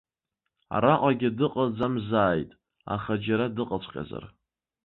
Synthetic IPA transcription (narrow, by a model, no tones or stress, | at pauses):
a̰ɾaqʷʼaɡʲɪdɨqʼad͡zamzaːjtʼ | a̰χad͡ʒaɾadɨqʼat͡ɕʷʰʼqʲʼa̰za̰r